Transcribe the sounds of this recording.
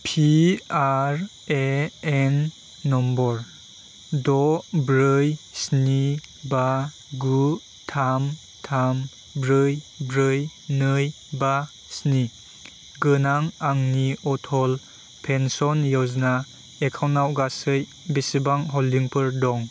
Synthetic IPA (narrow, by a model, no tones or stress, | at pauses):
pʰiaɾ | eenː | ɔmbɔɾ | dɔbɾɯjsniba | ɡu | tʰam | tʰam | bɾɯjbɾɯjnɯj | ba | sni | ɡɯnaŋaŋniɔtʰɔl | pʰensɔnjɯwzna | ekʰawnːawɡasɯj | bisibaŋɦɔldiŋpʰɯɾdɔŋ